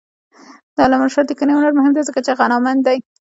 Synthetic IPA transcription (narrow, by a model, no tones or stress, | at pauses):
d̪ɑlamaʃɑd̪əkəneʊnaɾmʊɦɪmd̪azəkat͡ʃeɣanɑmand̪d̪aj